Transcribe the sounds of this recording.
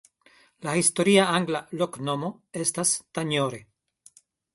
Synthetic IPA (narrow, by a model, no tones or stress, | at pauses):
lahisto̞ɾiaaŋɡlaloknomo̞e̞stastaɲoɾe̞